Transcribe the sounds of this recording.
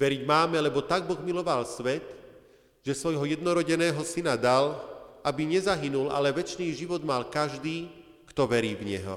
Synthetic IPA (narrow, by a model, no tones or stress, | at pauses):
ʋɛɾiɟmaːmɛlɛbɔt̪aɡ̚bɔɣmilɔʋalsʋɛt̪ | ʒ̥ɛsʋɔjɦɔjɛd̪nɔɾɔɟɛnɛːɦɔsinad̪alabiɲɛzaɦinula̰lɛʋɛt͡ʃniːʒiʋɔd̪malkaʒd̪iː | kt̪ɔʋɛɾiːvɲɛ̰ɦɔ̰